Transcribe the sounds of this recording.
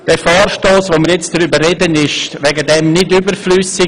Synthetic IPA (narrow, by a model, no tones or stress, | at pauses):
d̥ɛfɔːrʃtoːsʋoːməɾjɛt͡sd̥ɾybərɛdənɪʃtʋɛɡədɛmnɪdybəɾflyːsɪ